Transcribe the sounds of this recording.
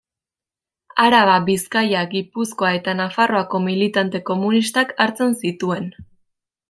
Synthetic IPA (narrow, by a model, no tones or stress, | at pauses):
aɾaβaβiskajaɡipusko̞ae̞t̪anafaro̞ako̞milit̪ant̪e̞ko̞munist̪akaɾt͡se̞nsit̪ue̞n